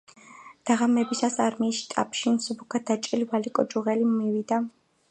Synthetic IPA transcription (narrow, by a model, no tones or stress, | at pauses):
d̪̥aʁamɛbisasaɾmiːʃi̥t̪ʼa̰pʰʃinsubukʰad̪̥at͡ʃʼilivalikʼɔd͡ʒʼuʁɛlimːiwid̪a